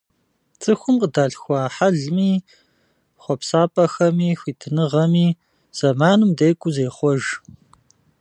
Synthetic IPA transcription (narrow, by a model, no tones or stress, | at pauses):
t͡sʼɨxʷʊmqədaːɬxʷɑːħaɮmiː | χʷɔpsaːpʼɐxɐmiːxʷiːtʰɨnɨʁɐmiː | z̥ɐmaːnɨmdeːkʷʼʊzeːχʷɔʒ